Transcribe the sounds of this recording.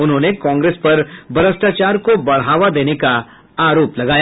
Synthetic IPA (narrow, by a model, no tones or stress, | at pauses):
ʊnɦõːnekɔ̃ːŋɡɾeːspɐɾbɐɾəsʈaːt͡ʃaːɾkobɐɽ̤ɦaːʋad̪eːneka | aːɾoːplɐɡaːja